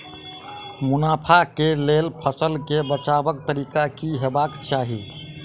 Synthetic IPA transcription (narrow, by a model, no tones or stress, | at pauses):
munapʰakelelpʰəsəlkebət͡ʃabəkt̪əɾikakiɦebakt͡ʃaɦi